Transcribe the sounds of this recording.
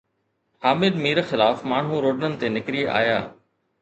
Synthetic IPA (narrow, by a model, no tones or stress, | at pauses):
haːmɪd̪miːɾxɪlaːfmaːɳ̤ũɾoːɖənənɪ̆t̪enɪkɾia̰ːja̰ː